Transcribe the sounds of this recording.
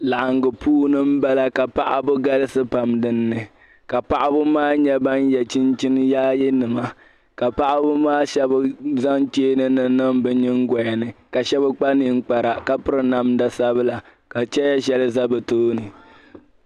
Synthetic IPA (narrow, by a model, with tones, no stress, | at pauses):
la˨ʔa˨ŋɡɨ˨puː˦nɨ˦m̩˦ba˦la˦ka˨pa˦ʔa̰˦bʊ˦ɡa˦lɨ˦sɨ˦pa˨mdɨ˦nːɨ˨ | ka˨pa˨ʔa˦bʊ˦maː˦ɲɛ˦ba˦njɛ˨t͡ʃi˦nt͡ʃi˦n˦jaː˦jɛ˦nɨ˨ma˦ | ka˨pa˦ʔa˦bʊ˦maː˦ʃɛ˦bɨ˦za˦ŋt͡ʃeː˦nɨ˦nɨ˨nɨ˦mbɨ˨ɲɪ˦ŋ˦ɡɔ˨ja˨nɨ˨ka˨ʃɛ˦bɨ˦k͡pa˦ni˦ŋ̩˦k͡pa˨ɾa˨ka˦pɨ˦ɾɨ˨na˦mda˨sa˦bɨ˦la˨ | ka˨t͡ʃɛ˦ja˦ʃɛ˦lɨ˦za˦bɨ˨toː˦nɨ˨